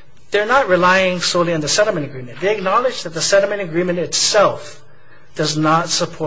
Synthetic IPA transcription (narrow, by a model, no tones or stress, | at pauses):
ðə˞nət̚ɹɨlaɪɪ̃ŋsoʊlˠiɨ̃nðɨsɛɾl̩ˠmɨ̃ñɨɡɹĩmɨ̃nðeɪɨk̚nɑlˠɨd͡ʒðɨt̪̚ðəsɛɾl̩ˠmɨ̃ñɨɡɹĩmɨ̃ntɨtsɛlˠf | d̥ʌznətsəpʰɔ